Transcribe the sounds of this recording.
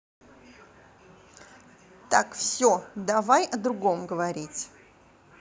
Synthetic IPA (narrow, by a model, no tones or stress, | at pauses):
t̪akfsʲod̪ɐvajɐd̪ɾʊɡomɡəvɐɾʲitʲ